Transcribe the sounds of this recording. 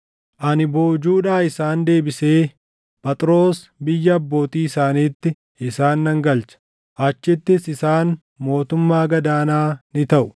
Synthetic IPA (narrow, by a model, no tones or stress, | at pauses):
ʔɐnɪbo̞ːd͡ʒuːᶑaːɪsaːnd̪e̞ːbɪse̞ː | pɐt̪ʼɾo̞ːs | bɪjːɐːbːo̞ːt̪iːɪsaːniːt̪ːɪ | ɪsaːnːɐŋɡɐlt͡ʃɐ̥ | ʔɐt͡ʃːɪt̪ːɪsɪsaːn | mo̞ːt̪ʊmːaːɡɐd̪aːnaːnɪt̪ɐʔʊ